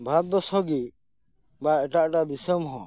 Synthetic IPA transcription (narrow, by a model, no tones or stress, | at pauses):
bʱat̪̚bɔsɔɡi | baɛʈaʔʈad̪isɔmɦɔ̰̃